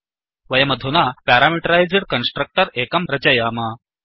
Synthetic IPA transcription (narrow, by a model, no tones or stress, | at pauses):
ʋɐjɐmɐd̪ʱunapæɾamiʈəɾajd͡zɽkənsʈɾək̚ʈəɾekɐmɾɐt͡ɕɐjaːma